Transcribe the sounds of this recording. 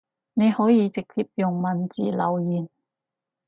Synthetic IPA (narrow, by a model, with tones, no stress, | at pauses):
ne˨˧jhɔː˨˥jiː˨˧t͡sɪ˨k̚t̪ʰi˧p̚jʊ˨˩ŋmɐ˨˩nt͡sḭː˨˩lɐ̰˨˧wjiː˨˩n